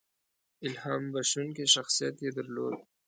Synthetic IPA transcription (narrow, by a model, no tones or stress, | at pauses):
ɪlɦaːmbɐʃunkiʃɐxsijət̪jed̪ɐɾlo̰ːd̪̚